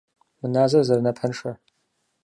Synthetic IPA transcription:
mɨnaːzɐzɐrnɐpʰɐnʂɐ

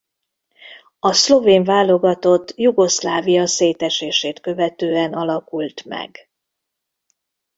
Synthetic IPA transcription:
ɒslo̞veːɱvaːlo̞ɡɒt̪o̞t̪ːjuɡo̞slaːvijɒseːt̪ɛʃeːʃeːt̪kø̞vɛt̪øːɛnɒlɒkult̪mɛ̰ɡ

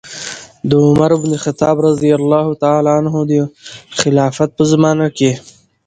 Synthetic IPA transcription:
d̪əʊmaɾɪbnexat̪ɑːbɾɑzijalːɑːɦut̪aalɑanɦod̪əxɪlɑːfat̪̚pəzamɑːnake

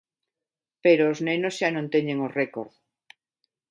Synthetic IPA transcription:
peɾoːznenozʃanõnt̪eɲẽŋorekoɾð

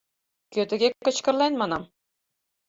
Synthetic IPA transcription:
kʲøt̪ɘ̆ɡʲekɤ̆t͡ɕkɤ̆ɾlˠɑjnmɑnɑm

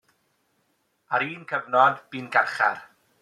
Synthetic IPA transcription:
aɾiːnkʰəvnɔnb̥iːnɡarχa̰r

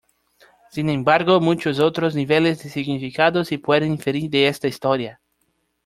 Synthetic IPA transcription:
sinẽmbaɾɣomũt͡ʃos̬owt̪ɾozniβelezd̪esiɡnifikaðosepweðẽnfeɾiɾd̪eest̪aist̪oɾja

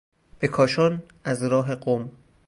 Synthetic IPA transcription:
b̥ekʰɒːʃɒːn | æzɾɒːɦeɢom

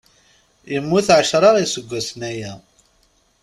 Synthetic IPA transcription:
jəmːuθʕəʃɾˤɑɾˤisəɡʷːæsnæjæ

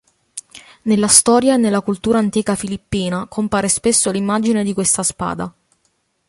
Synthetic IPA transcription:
nelːast̪ɔːɾjaenːelːakult̪uːɾaːnt̪iːkafilipːiːnakʰompaːɾespesːolimːad͡ʒined̪ikwest̪aspa̰ːd̪a

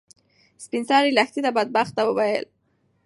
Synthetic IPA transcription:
spinsɑɾilaxt̪it̪abad̪̚bɑxt̪ːawəwajə̰l

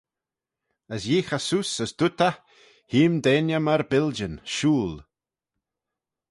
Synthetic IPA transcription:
əsjiːxasusəsd̪̥ʊt̪ə | hiːmd̪eːnjəməɾbɪld͡ʒənʃuːl

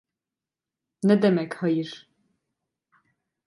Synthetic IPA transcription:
nɛd̪ɛmɛkhɔjiɾ

